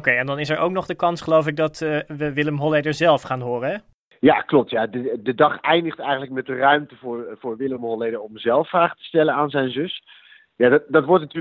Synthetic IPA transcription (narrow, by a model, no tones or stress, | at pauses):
kejɛndɑnɪsɛɹʔowknɔχdəkɑnsχəlowfɪk̚dɑtːʋəʋɪləmɦɔlejdəɹzɛlˠfχaːnɦʊːrəɛ | jaklɔp̚tjadədədɑχɛjndəχtɛjχən̩lək̚mɛt̚dərœɥmtəvʊːɹvʊːɹʋɪləmɦɔlejdəɹɔmzɛlˠfːraːχətə̥stɛlənaːnzɛjnzɵs | jaddɑtʋɔɹtnatyː